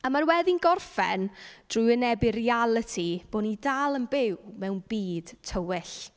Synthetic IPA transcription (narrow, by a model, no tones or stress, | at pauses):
amarwɛðinɡɔrfɛ̰nd̥rʊjənɛbɪrialˠətʰib̥oːnidalˠənbɪwmɛwnbiːd̥tʰəwɪɬ